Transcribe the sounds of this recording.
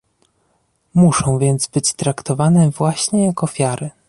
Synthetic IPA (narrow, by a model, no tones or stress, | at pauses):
muʂɔ̃w̃vʲjɛnt̪zbɘt͡ɕt̪ɾakt̪ɔvanɛvwaɕɲɛjakɔfʲjaɾɘ